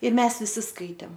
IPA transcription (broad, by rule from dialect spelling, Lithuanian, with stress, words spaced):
ˈɪr ˈmʲɛs ʋʲɪˈsʲɪ ˈskɐɪtʲeːm